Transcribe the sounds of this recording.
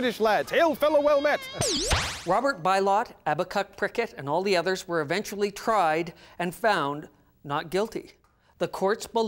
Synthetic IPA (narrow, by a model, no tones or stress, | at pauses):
ɾɨʃlædz̥hɪlˠfɛlˠəwɛlˠmɛt̚ | ɹɑbə˞t̚b̥aɪlɑɾæbəkʰʌk̚pʰɹ̥ɪkɨɾɨ̃nɔlˠðiʌðə˞zwə˞ɨvɛ̃nt͡ʃl̩ˠitʰɹ̥aɪɾɨ̃nfãʊ̃n | nət̚ɡ̥ɪlˠtḭ | ðəkʰɔɹtsb̥ə